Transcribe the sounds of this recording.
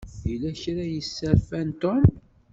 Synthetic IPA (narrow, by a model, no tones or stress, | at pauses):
ilæçɾajəsːəɾfænt̪om